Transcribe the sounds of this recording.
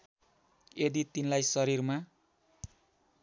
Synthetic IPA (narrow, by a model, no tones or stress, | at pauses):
ed̪it̪inlajsʌɾirma